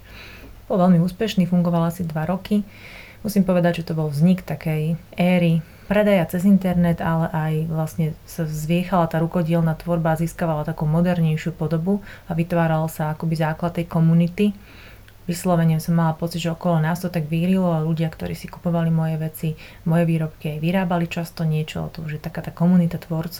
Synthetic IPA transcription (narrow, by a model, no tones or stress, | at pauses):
b̥ɔlʋɛlmiuːspɛʃniːfuŋɡɔʋalasid̪ʋaɾɔki | musiːmpɔʋɛd̪aɟʒɛt̪ɔbɔlvzɲikt̪akɛjɛːɾi | pɾɛd̪ajat͡sɛzint̪ɛɾnɛt̪alɛʔajʋlasɲɛsazʋɪɛxalat̪aːɾukɔɟɪɛlnaːt̪ʋɔɾbaːziːskaʋalat̪akuːmɔd̪ɛɾɲɛjʃɪupɔd̪ɔbuaʋit̪ʋaːɾalsaːkɔbizaːklat̪̚t̪ːɛjkɔmunit̪i | ʋislɔʋɛɲɪɛmsɔmːalapɔt͡siɟʒɛɔkɔlɔnaːst̪ɔt̪aɡʋiːɾilɔaluɟɪakt̪ɔ̰ɾiːsiku̥pɔʋalimɔjɛʋɛt͡si | mɔjɛʋiːɾɔpkiajʋiɾaːbalit͡ʃast̪ɔɲɪɛt͡ʃɔ̰ɔ̰t̪ɔmʒɛt̪akaːt̪aːkɔmunit̪at̪ʋɔɾt͡s